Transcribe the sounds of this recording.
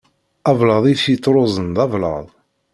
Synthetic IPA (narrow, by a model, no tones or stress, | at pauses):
ɑvlɑðˤiθit̪ˤːɾˤozˤənd̪ɑvlɑ̰ðˤ